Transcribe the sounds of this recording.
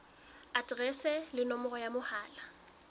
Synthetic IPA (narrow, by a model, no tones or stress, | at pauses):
atʼrɛsɛlɪnɔmɔrɔjamʊhaːla